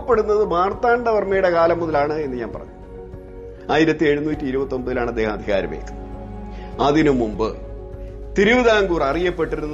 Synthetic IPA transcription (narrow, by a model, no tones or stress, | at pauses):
pːe̞ɽunːɐðɨmaːrt̪aːɳɖɐʋɐrmɐjuɽe̞kaːlɐmːuðɐlaːɳɨe̞nːɨɲaːnpɐ̰rɐ̰ɲːɨ | aːjiɾɐt̪ːie̞ɻunuːtːiiɾubɐt̪ːombɐðilaːɳɐd̪ːeːhɐmɐd̪ʱiɣa̰ːɾɐ̰mḛkːɨn | ɐðinɨmumbɨ | t̪iɾuʋiðaːŋɡuːrɐrijɐpːe̞ʈːiɾunː